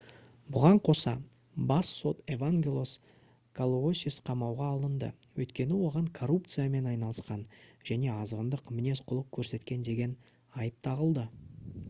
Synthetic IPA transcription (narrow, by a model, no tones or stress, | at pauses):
bʊʁɑɴqʰo̞sɑ̰ | bɑsːo̞t̪e̞vaŋɡʲelˠo̞s | kʰalˠoosʲisqʰɑmɑwʁɑːlˠənd̪ə̰wɵ̰jt̪kʲe̞nɪwo̞ʁɑɴkʰorup̚t̪sɨjame̞nɑjnɑlˠəsqɑnʒ̥æne̞ɑzʁənd̪əqmɪne̞sqʰʊlˠəq̚kʲʰɵɾse̞t̪kʲe̞nd̪e̞ɡʲe̞n | ɑjəp̚t̪ʰɑʁəlˠd̪ə